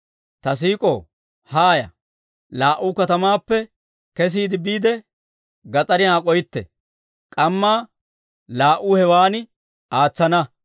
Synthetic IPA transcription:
t̪ɐs̬iːkʼo̰ː | haːjɐ̰ | laːʔʊkɐt̪ɐmaːpːɛ | kɛs̬iːd̪ɪbiːd̪ɛ | ɡɐt͡sʼɐɾɪaːkʼɔjɪt̪ːɛ̰ | kʼɐmːaː | laːʔʊhɛwaːnɪ | aːt͡sːɐnɐ

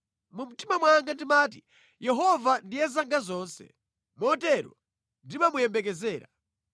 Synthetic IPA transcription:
mum̩timamwaŋɡandimaːti | jɛɦɔvandijɛzaŋɡazɔːnsɛ̰ | mɔtɛɾɔ̰ | ndimamujɛmbɛk̬ɛzɛːɾa

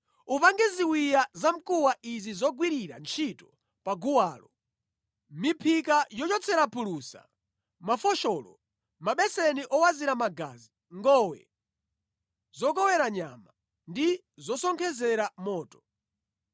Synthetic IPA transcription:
upaŋɡɛziwijazam̩kuwaʔizizɔɡwiɾiɾa̰nt͡ʃʰitɔ̥ | paɡuwaːlɔ | mipʰikajɔt͡ʃɔt͡sʰɛɾapʰulusa̰ | mafɔʃɔːlɔ̰ | maɓɛsɛniʔɔwaziɾamaɡa̰zi | ŋɡɔːwɛ̰ | zɔk̬ɔwɛɾaɲa̰ma | ndi | zɔsɔŋkʰɛzɛɾamɔːtɔ̥

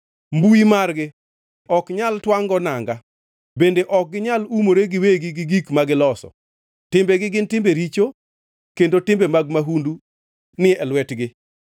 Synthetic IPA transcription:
mbuimarɡɪ | ɔkɲaltwaŋɡɔnaŋɡa | bendeʔɔk̚ɡɪɲalumoɾeɡɪweɡɪɡɪɡikmaɡɪlɔsɔ̰ | tɪmbeɡɪɡɪntɪmbeɾit͡ʃo | kendotɪmbemaɡmaɦundu | nɪɛlwɛtɡɪ

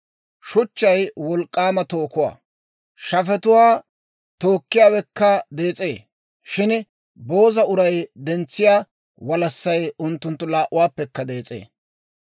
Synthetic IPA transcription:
ʃʊt͡ʃːɐjwɔlkʼːaːmɐt̪o̞ːkʊwa̰ː | ʃɐfɛt̪ʊwaː | t̪oːkːɪjaːwɛkːɐd̪e̞ːt͡sʼeː | ʃɪn | bo̞ːzɐʊɾɐjd̪ɛnt͡sːɪjaː | wɐlɐsːɐjʊnt̪ːʊnt̪ːʊlaːʔʊwaːpːɛkːɐd̪e̞ːt͡sʼe̞̰ː

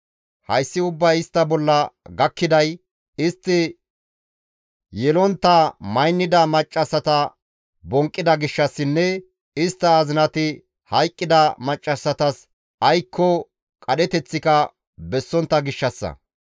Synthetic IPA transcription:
hɐjsːɪʊbːɐjɪst̪ːɐbɔlːɐɡɐkːɪd̪ɐj | ɪst̪ːɪ | jɛlɔnt̪ːɐmɐjnːɪd̪ɐmɐt͡ʃʼːɐsːɐt̪ɐ | bɔŋkʼːɪd̪ɐɡɪʃːɐsːɪnːɛ | ɪst̪ːɐːzɪnɐt̪ɪ | hɐjkʼːɪd̪ɐmɐt͡ʃʼːɐsːɐt̪ɐs | ɐjkʰːɔ | kʼɐɗɛt̪ɛt͡sːɪkɐ | bɛsːɔnt̪ːɐɡɪʃːɐsːɐ̰

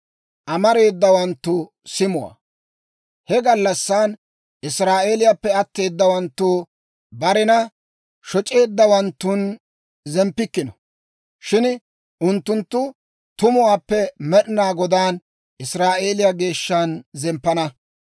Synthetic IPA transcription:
ʔɐmɐɾe̞ːd̪ːɐwɐnt̪ːʊ | sɪmʊwa̰ː | hɛɡɐlːɐsːaːn | ʔɪsɾaːʔe̞ːlɪjapːɛɐt̪ːe̞ːd̪ːɐwɐnt̪ːuː | bɐɾɪnɐ | ʃɔt͡ʃʼe̞ːd̪ːɐwɐnt̪ːʊn | zɛmpːɪkːɪnɔ | ʃɪn | ʔʊnt̪ːʊnt̪ːʊ | t̪ʊmʊwaːpːɛmɛɗɪnaːɡɔd̪aːn | ʔɪsɾaːʔe̞ːlɪjaɡe̞ːʃːanzɛmpːɐnɐ

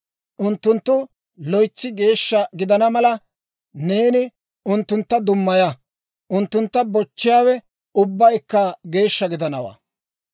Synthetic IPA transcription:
ʔʊnt̪ːʊnt̪ːʊ | lɔjt͡sːɪɡe̞ːʃːɐɡɪd̪ɐnɐmɐlɐ | ne̞ːnɪ | ʊnt̪ːʊnt̪ːɐd̪ʊmːɐjɐ | ʔʊnt̪ːʊnt̪ːɐbɔt͡ʃːɪjaːwɛ | ʊbːɐjkːɐɡe̞ːʃːɐɡɪd̪ɐnɐwa̰ː

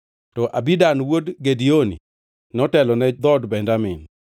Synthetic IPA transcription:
tɔʔabidanwodɡedionḭ | nɔtɛlɔnɛd̪ɔdbɛndamɪ̰n

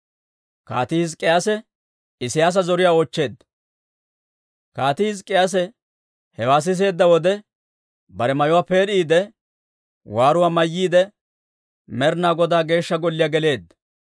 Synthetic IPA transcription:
kaːt̪ɪhɪzkʼːɪjaːsɛ | ɪsɪjaːs̬ɐzɔɾɪjaːɔːt͡ʃːe̞ːd̪ːɐ | kaːt̪ɪhɪzkʼːɪjas̬ɛ | hɛwaːs̬ɪs̬e̞ːd̪ːɐwɔd̪ɛ | bɐɾɛmɐjʊwaːpe̞ːɾiːd̪ɛ | waːɾʊwaːmɐjːiːd̪ɛ | mɛɾnaːɡɔd̪aːɡe̞ːʃːɐɡɔlːɪjaːɡɛle̞ːd̪ːɐ

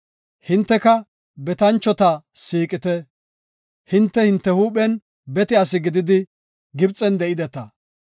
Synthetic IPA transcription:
hɪnt̪ːɛkɐ | bɛt̪ɐnt͡ʃːɔt̪ɐsiːkʼɪt̪ɛ | hɪnt̪ːɛhɪnt̪ːɛhuːɓɛn | bɛt̪ɪɐs̬ɪɡɪd̪ɪd̪ɪ | ɡɪbt͡sʼɛnd̪ɛʔɪd̪ɛt̪ɐ

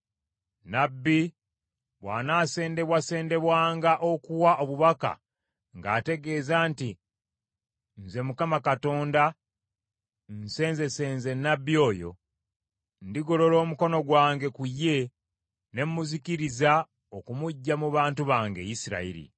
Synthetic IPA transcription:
nabːi | βwa̰ːnaːse̞ːnde̞βwase̞ːnde̞βwaːŋɡaʔo̞kuwaʔoβuβaka̰ | ŋɡa̰ːte̞ɡe̞ːzaːnti | nze̞mukamakato̞ːnda | nse̞ːnze̞se̞nze̞nːabːio̞ːjo̞̰ | ndiɡo̞lo̞lo̞ːmuko̞no̞ɡwaːŋɡe̞kujːe̞ | ne̞mmuziciɾiza | okumuɟːamuβaːntuβaːŋɡe̞̰jisiɾa̰ḭɾḭ

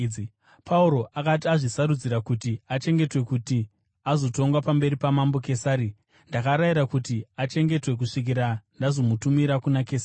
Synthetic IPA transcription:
pʰauɾo̞ʔakat̬iaʐisaɾud͡ziɾakutiat͡ʃe̞ŋɡe̞twe̞kuti | azo̞to̞ŋɡwapambe̞ɾipamambo̞ke̞saːɾi | ndakaɾaiɾakutiat͡ʃe̞ŋɡe̞twe̞k̬uʂik̬iɾandazo̞mutumiɾakunakeːsai

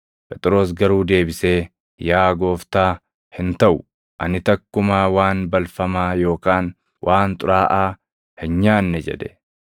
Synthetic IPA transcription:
pʼɛt̪ʼɪɾo̞ːs̬ɡɐɾuːd̪e̞ːbɪse̞ː | jaːɡo̞ːft̪aː | hɪnt̪ɐʔʊ | ʔɐ̰nɪt̪ɐkːʊmaːwaːnbɐlfɐmaːjo̞ːkaːn | wʔaːnt̪ʼʊɾaːʔaː | hɪnɲaːnːɛd͡ʒɛ̰d̪ɛ̥

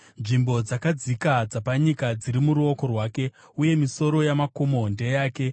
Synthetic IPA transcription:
nʐimbo̞d͡zakad͡zikad͡zapaɲikad͡ziɾimuɾuo̞ko̞rwaːke̞ | uje̞miso̞ɾo̞jamako̞monde̞jaːke̞

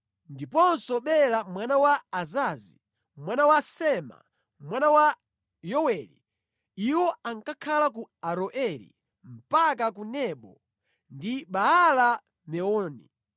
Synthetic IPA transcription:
ndipɔnsɔɓɛlamwanawaːzazi | mwanawasɛma̰ | mwanawa | jɔwɛlḭ | iwɔaŋkakʰalak̬uaɾɔʔɛlḭ | m̩pak̬akunɛɓɔ | ndiɓaala | mɛɔːni

